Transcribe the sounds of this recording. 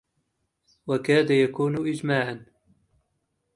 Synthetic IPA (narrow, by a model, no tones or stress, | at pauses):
wakaːd̪ajakuːnʔɪd͡ʒmaːʕan